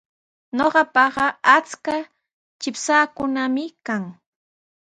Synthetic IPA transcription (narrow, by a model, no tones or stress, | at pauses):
ɲoɢɑpɑɢɑat͡ska | t͡ʃɪpsaːkʊnamɪkaŋ